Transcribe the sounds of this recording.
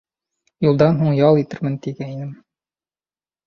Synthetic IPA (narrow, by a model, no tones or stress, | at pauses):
julˠd̪ɑnɦuɴjɑlˠit̪ɘɾmɘ̆nt̪iɡæinɘm